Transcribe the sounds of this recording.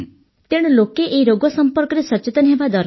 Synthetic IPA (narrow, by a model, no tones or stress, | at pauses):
t̪eɽ̃ɔlokeʔeiɾoɡɔsɔmpɔɾkɔɾesɔt͡ʃet̪ɔnɦebad̪ɔɾ